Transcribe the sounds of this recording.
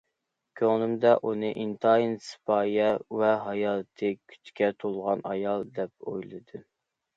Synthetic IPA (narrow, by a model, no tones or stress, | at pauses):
kʲʰøŋnɪmd̪ɛʔunɨʔint̪ʰɑinsɨ̥pʰɑːjɛwɛɦɑjɑːt̪ʰɨkʲʰy̥t͡ʃkʲɛt̪ʰolˠʁɑnɑjɑlˠd̪ɛp̚o̰jlˠɨd̪ɨ